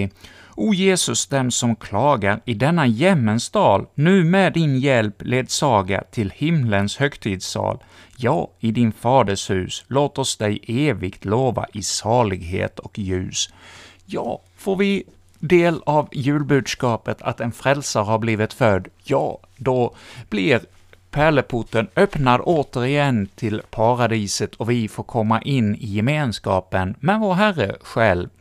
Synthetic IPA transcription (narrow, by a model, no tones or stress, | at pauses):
uːjeːsɵsd̪ɛmsɔmkʰlɑːɡaɾɪd̪ɛnːajɛmːənst̪ɑːlnʉ̟ːmɛd̪ɪnjɛlpleːd̪sɑːɡa̰t̪ʰɪlhɪmlənshœkt̪ʰiːd̪sɑ̰ːl | jɑːɪd̪ɪnfɑːd̪əʂhʉ̟ːsloːt̪ɔsd̪ɛjeːvɪkt̪ʰloːva̰ʔɪsɑːɭɪɡɦḛːt̪ʰɔkjʉ̟̰ːs | jɑː | foːɾvɪ | d̪eːlavjʉ̟ːlbʉ̟ːd̪skɑːpət̪ʰa̰t̪ɛnfɾɛlsaɾhaɾbliːvɪt̪fœd̪ːjɑ̰ː | d̪ɔb̥lɪɾ | pʰæɭəpʰʊʈːənœpnad̪oːt̪əɾɪjɛnːt̪ʰɪlpʰɑɾad̪iːsət̪ʰɔvɪfoːɾkʰɔmːaʔɪnːɪjɛmeːnskɑːpənmɛnvoːɾɦærəɧɛlv